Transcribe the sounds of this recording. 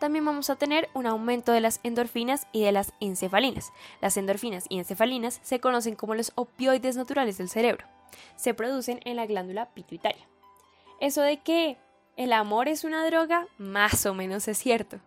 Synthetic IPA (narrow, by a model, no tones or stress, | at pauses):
t̪ambje̞mbamo̞sat̪e̞ne̞ɾunawmẽ̞nt̪o̞ðe̞lasend̪o̞ɾfinasiðe̞lasense̞falinaslasend̪o̞ɾfinasiense̞falinasːe̞ko̞no̞s̬e̞ŋko̞mo̞lo̞sopjo̞jðe̞znat̪uɾale̞zðelse̞ɾe̞βɾo̞ | se̞pɾo̞ð̞use̞nenlaɣland̪ulapit̪wit̪aɾja | e̞so̞ðe̞ke̞ː | lamo̞ɾe̞sunaðɾo̞ɣamaso̞mẽ̞no̞se̞sːje̞ɾt̪o